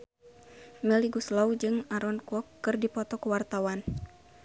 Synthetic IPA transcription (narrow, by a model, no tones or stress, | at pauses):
mɛliɡuslaud͡ʒɨŋaɾɔnkuɔkːɨrdipɔt̪ɔkuwart̪awan